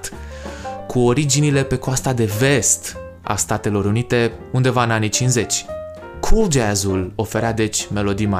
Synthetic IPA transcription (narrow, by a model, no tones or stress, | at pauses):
t̪ | kʰuo̞ɾid͡ʒinile̞pe̞koast̪ad̪e̞ve̞st̪ | a̰st̪at̪e̞lo̞ɾunit̪e̞und̪e̞vaɨnanit͡ʃinze̞t͡ʃʲ | kʰuld͡ʒazulo̞fe̞ɾead̪e̞t͡ʃʲme̞lo̞d̪ima